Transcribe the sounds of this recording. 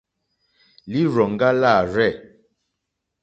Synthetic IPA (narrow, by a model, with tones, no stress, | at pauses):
li˦ɾɔ˨ŋ˦ɡa˦la˦˨ɾɛ˦˨